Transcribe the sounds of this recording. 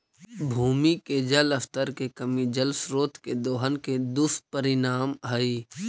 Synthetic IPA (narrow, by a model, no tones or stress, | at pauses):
bʱuːmiked͡ʒɐlɐft̪əɾkekɐmid͡ʒəlsɾoːt̪ked̪oːɦənked̪ʊst̪̚pəɾɪnaːmɦɐi